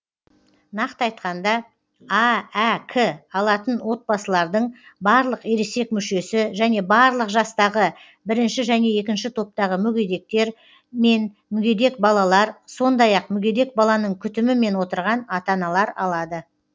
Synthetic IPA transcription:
nɑqt̪əɑjt̪̚qɑnd̪ɑ | ɑækʰəɑlˠɑt̪ənwo̞t̪̚bɑsəlˠɑɾd̪əɴbɑɾlˠəqeɾese̞kmʏʃe̞sɪʒæne̞bɑɾlˠəqʒɑst̪ɑʁə | bɪɾɪnʃɪʒæne̞e̞kʲɪnʃɪt̪ʰo̞p̚t̪ɑʁəmʏɡʲe̞d̪e̞k̚t̪e̞ɾ | me̞n | mʏɡʲe̞d̪e̞k̚bɑlˠɑlˠɑɾso̞nd̪ɑjɑqmʏɡʲe̞d̪e̞k̚bɑlˠɑnəɴkʲʰʏt̪ɪmɪme̞nwo̞t̪əɾʁɑnɑt̪ɑnɑlˠɑɾɑ̰lˠɑd̪ə

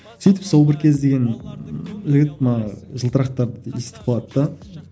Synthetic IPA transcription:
sejt̪ɪpsow̪ˠbɪɾkʲʰe̞zd̪e̞ɡʲe̞n | ʒɪɡʲɪt̪̚mnɑʒəlˠt̪əɾɑq̚t̪ɑɾd̪ist̪ɪ̥fɑt̪ːɑ

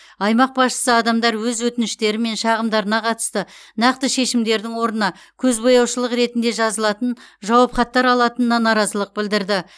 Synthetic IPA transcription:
ɑjmɑq̚bɑsʃə̥səɑd̪ɑmd̪ɑɾwɵzwɵt̪ɪnɪʃt̪e̞ɾɪme̞nʃɑʁəmd̪ɑɾənɑqʰɑt̪ə̥st̪ənɑqt̪əʃe̞ʃɪmd̪e̞ɾd̪ɪŋwo̞ɾənɑ | kʲʰɵzbo̞jɑwʃəlˠəqɾe̞t̪ɪnd̪eʒɑzəlˠɑt̪ənʒɑwɑpχɑt̪ːɑɾɑlˠɑt̪ənənɑnɑɾɑzəlˠəq̚bɪld̪ɪɾd̪ɪ

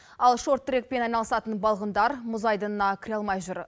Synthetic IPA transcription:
ɑlˠʃo̞rt̪ːɾek̚pe̞nɑjnɑlˠəsɑt̪ənbɑlˠʁənd̪ɑɾmʊzɑjd̪ənənɑkʲʰɪɾʲɑlˠmɑjʒʊɾ

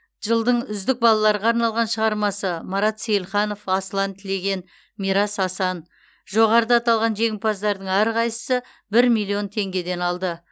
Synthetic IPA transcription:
ʒəlˠd̪əɴʏzd̪ɪk̚bɑlˠɑlˠɑɾʁɑːɾnɑlˠʁɑnʃəʁɑɾmɑsəmɑɾɑt̪sejlˠχɑno̞fɑslˠɑnt̪ʰɪle̞ɡʲe̞n | mijɾɑsɑsɑn | ʒo̞ʁɑɾəd̪əɑt̪ɑlˠʁɑnʒe̞ŋɪpɑzd̪ɑɾd̪əɴæɾqʰɑjsə̥sə | bɪɾmʲijlʲˠːio̞nt̪ʰe̞ŋɡʲe̞d̪e̞nɑlˠd̪ə

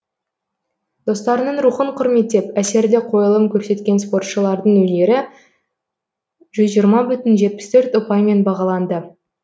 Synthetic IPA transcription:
d̪̥o̞st̪ɑɾnəɴɾuχəɴqʰʊɾme̞t̪ːe̞pæse̞ɾd̪ɪqʰo̞jəlˠəmkʲʰɵɾse̞t̪kʲe̞nspo̞rt̪ʃəlˠɑɾd̪əɴɵne̞ɾɪ | ʒ̥ʏzʒijəɾmɑbʏt̪ɪnʒe̞t̪̚pɪ̥st̪ʰɵɾt̪ʊpɑjme̞nbɑʁɑlˠɑnd̪ə

